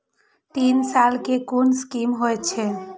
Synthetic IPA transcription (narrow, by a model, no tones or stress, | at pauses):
t̪iːnsaːlkekunskimɦoet͡ʃʰe